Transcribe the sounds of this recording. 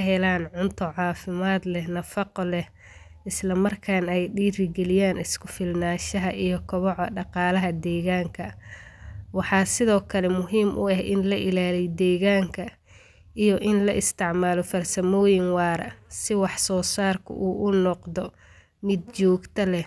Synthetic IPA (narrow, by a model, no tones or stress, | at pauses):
ɦɛlaːnʕʊnt̪ʰɔʕɑːfɪmaːd̪lɛnɐfɑqɔlɛh | ɪslɐmɐrkʰaːnɛjɗiːɾɪɡɛlɪjaːnɪskʰʊfɪlnaːʃɐɦɐʔijɔkʰɔβɔʕɖɑqɑːlɐɦɐd̪ɛːɣaːŋkʰɐ | wɑħɑːsɪðɔːkʰɐlɛmʊɦiːmʔʊ̰ɐhʔɪnlɐʔɪlaːlɛjd̪ɛːɣaːŋkʰɐ | ʔijɔʔɪnlɐʔɪst̪ʰɪʕmaːlɔfɐrsɐmɔːjɪŋwɑːɾɐ̰sɪwɑħsɔːsaːrkʰʊ̰ʔuːʔʊnɔqd̪ɔ | mɪd̪̚t͡ʃɔːɡt̪ʰɐlɛ